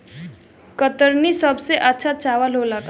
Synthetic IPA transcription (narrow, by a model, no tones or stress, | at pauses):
kət̪əɾnisəbseʔətːʃʰat͡ʃaʋalɦolak